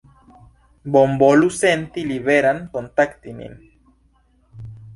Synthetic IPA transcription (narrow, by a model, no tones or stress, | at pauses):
bombolusent̪iliβeɾaŋkont̪akt̪inḭn